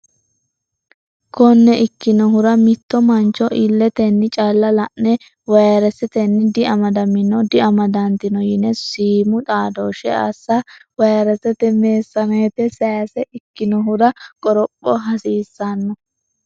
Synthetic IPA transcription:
kɔnːɛʔɪkːɪnɔɦʊɾɐmɪt̪ːɔmɐnt͡ʃɔʔɪlːɛt̪ɛnːɪt͡ʃʼɐlːɐlɐʔnɛ | wɐjɐɾɛsɛt̪ɛnːɪd̪ɪʔɐmɐd̪ɐmɪnːɔd̪ɪɐmɐd̪ɐnt̪ɪnɔjɪnɛsiːmʊt̪ʼaːd̪oːʃɛ̰ɐ̰sːɐwɐjɐɾɛsɛt̪ɛmeːsːɐnɐɛt̪ɛsɐjɐsɛʔɪkːɪnɔɦʊɾɐkʼɔɾɔpʼːɔɦɐsiːsːɐnːɔ

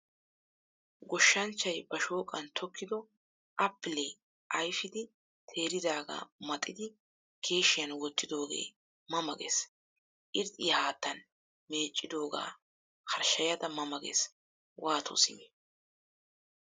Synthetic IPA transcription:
ɡɔʃːɐnt͡ʃːɐjbɐʃo̞ːkʼːɐnt̪ʰɔkːɪd̪ɔ | ʔɐpːɪle | ʔɐjfɪd̪ɪ | t̪ʰe̞ːɾɪd̪aːɡa̰ːmɐt̪ʼːɪd̪ɪ | ke̞ːʃɪjɐnwɔt̪ːɪd̪o̞ːɡḛː | mɐmɐɡḛs | ʔɪɾt̪ʼɪjɐhaːt̪ːɐn | me̞ːt͡ʃʼːɪd̪o̞ːɡa̰ː | kɐɾʃɐjɐd̪ɐmɐmɐɡḛs | wʔaːt̪ʰo̰sɪ̰mɛ

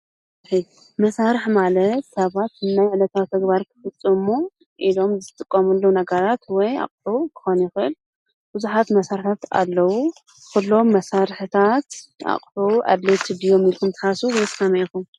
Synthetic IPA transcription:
ħi | mɐsaɾɨħmalɐt̪sɐβat̪ɨnːajʕɨlɐt̪ʰawt̪ʰɐɡbaɾkʰɨ̥fɨt͡sʼːɨmːo | ʔilo̞mzɨt̪ʼɨkʼːɐmɐlːownɐɡɐɾat̪wɔja̰qʼħukʰɨ̥xonjɪxɨʔɨl | b̥ɨzuħat̪mɐsaɾɨħʰat̪a̰lːɐwu | kʰulːo̞mːɐsaɾħɨt̪ʰat̪a̰χʼħuʔa̰d̪let̪id̪ijo̞milkʰumt̪ʰɨ̥ħasuwjskʰɐmɐjkum

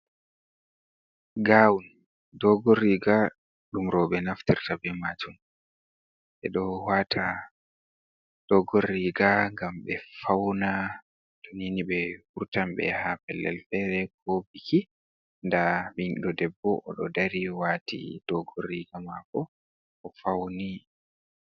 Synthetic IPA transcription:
ɡawun | dɔɡorːiɡa | ɗumɾɔːɓɛnaftiɾtabɛmad͡ʒum | ɓɛ̰ɗɔwaːtʰa | d̥ɔɡorːiɡaŋɡamɓɛfawna | tɔniniɓɛhuɾtamɓɛ̰hapɛlːɛ̰lfɛɾɛkobikʰi | ndaɓiɗɔdɛbːɔʔɔ̰ɗɔdaɾiwatʰḭd̥ɔɡorːiɡamakɔ | ʔɔfawni

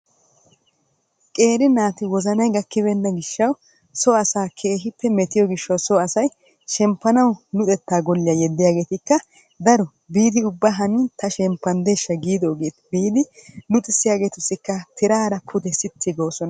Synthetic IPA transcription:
kʼe̞ːɾɪnaːt̪ɪwɔzɐnɐjɡɐkːɪβɛnːɐɡɪʃːɐw | sɔɐsaːkʰe̞ːɦɪpːɛmɛt̪ɪjɔɡɪʃːɐwsɔɐsɐj | ʃɛmpːɐnɐwnʊt̪ʼɛt̪ːaːɡɔlːɪjajɛd̪ːɪjaːɡe̞ːt̪ɪkːɐ | d̪ɐɾɔ | biːd̪ɪʊbːɐɦɐnɪt̪ʰɐʃɛmpːɐnd̪e̞ːʃːɐɡiːd̪oːɡeːt̪ɪbiːd̪ɪnʊt̪ʼɪsːɪjaːɡe̞ːt̪ʊsːɪkːɐt̪ʰɪɾaːɾɐpʰʊd̪ɛsɪt̪ʰːɪɡoːsɔnɐ

